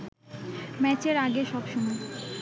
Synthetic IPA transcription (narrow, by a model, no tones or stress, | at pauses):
mɛt͡ɕeɾaɡeʃɔbʃɔmɔj